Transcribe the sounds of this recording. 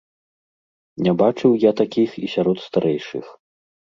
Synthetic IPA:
nʲabat͡ʂɨwjat̪akʲixisʲaɾɔt̪st̪aɾʔɛjʂɨ̰x

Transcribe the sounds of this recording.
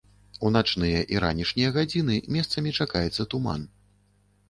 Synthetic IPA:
unat͡ʂnɨjɐʔiɾa̰nʲiʂnʲijɐɣad͡zʲinɨmʲɛst̪sɐmʲit͡ʂakajɛt̪sːɐt̪uma̰n

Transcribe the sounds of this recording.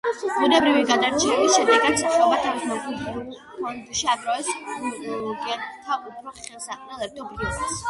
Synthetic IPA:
bunɛbɾiviɡad̪aɾt͡ʃʰɛɛbisʃɛd̪ɛɡat̪saʃaɔbat̪ʰavismɔɡud | and̪uʃiad̪ɾɔɛs | ɡɛnt̪ʰaupʰɾɔχɛlˠsaqʼnɛlˠɛp̚t̪ʰɔbɾivad̪ɛs

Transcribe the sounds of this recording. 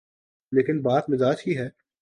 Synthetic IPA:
leːkɪnbaːt̪mɪzaːt͡ʃɦiɦɛː

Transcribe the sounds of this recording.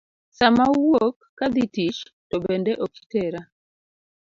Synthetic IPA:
samauwɔkːad̪itit͡ʃtɔbɛndɛʔɔki̥tɛɾa

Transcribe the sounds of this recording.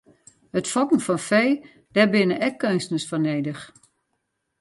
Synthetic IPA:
hətfɔkn̩fɔnfej | d̥ɛbɪnəʔɛkːønstənəsfɔneːdəx

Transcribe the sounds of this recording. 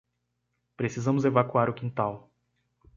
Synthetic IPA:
pɾesizɐ̃mʊzevakuaɾʊkĩnt̪aw

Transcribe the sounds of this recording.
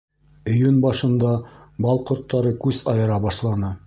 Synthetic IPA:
ɵ̆jɵnbɑʃɤ̆nd̪ɑbɑlˠqŏɾt̪ːɑɾɤkʉz̥ɑjɤ̆ɾɑbɑʃlˠɑnɤ

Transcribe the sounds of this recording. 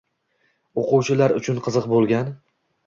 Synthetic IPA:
oqʊwt͡ʃʰɪlaɾʊt͡ʃʰʊnqʰɨzɨqbolˠɡʲan

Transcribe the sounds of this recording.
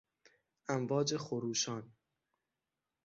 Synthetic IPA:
ʔæmvɒːd͡ʒe̞xoɾuːʃɒːn

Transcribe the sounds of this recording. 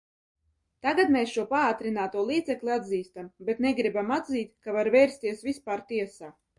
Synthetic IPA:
t̪aɡat̪meːsʃuɔpaaːt̪ɾinaːt̪uɔlˠiːd̪zɛklʲiad̪ziːst̪ambet̪neɡɾibamad̪ziːt̪kavaɾvɛːɾst̪iɛsvispaːɾt̪iɛsaː

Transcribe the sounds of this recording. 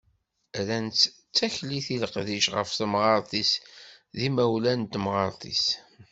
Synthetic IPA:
ɾænt͡s̪ | t͡sːæçliθiləqðiʃʁə̰fθəmʁɑɾˤt̪ˤis | ðimæwlænt̪mʁɑɾˤt̪ˤḭs

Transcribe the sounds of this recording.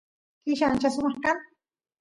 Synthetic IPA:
kɪʃant͡ʃasʊmɑχkaŋ

